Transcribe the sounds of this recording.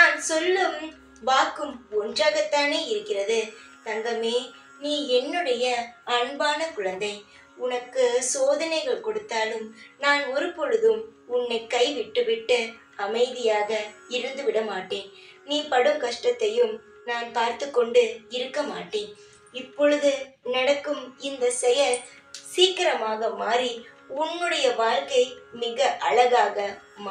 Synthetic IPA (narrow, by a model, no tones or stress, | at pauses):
naːnsɔlːɐm | baːkɯmɔndraːɣɐt̪ːaːneːɪɾɯkːɪrɐðɯ | t̪ɐŋɡɐmeː | niːɛnːɯɽɐjɐɐɳbaːnɐkʊɻɐnd̪ɐɪ | ʊnɐkːɯsoːðɐnɐɪɣɐɭkɔɽɯt̪ːaːlɯmnaːnɔɾɯpɔɻɯðɯmʊnːɐɪkːɐɪʋɪʈːɯʋɪʈːɯ | ɐmɐɪðɪjaːɣɐɪɾɯnd̪ɯʋɪɽɐmaːʈːeːn | niːpɐɽɯmkɐʂʈɐt̪ːɐjɯm | naːnpaːɾt̪ɯkːɔɳɖɯɪɾɯkːɐmaːʈːeːn | ɪpːɔɻɯðɯnɐɽɐkːɯmɪnd̪ɐsɛjɐ | siːkːɪɾɐmaːɣɐmaːɾi | ʊnːɯɽɐjɐʋaːɾkɐɪmɪɣɐʔɐɻɐɣaːɣɐ | m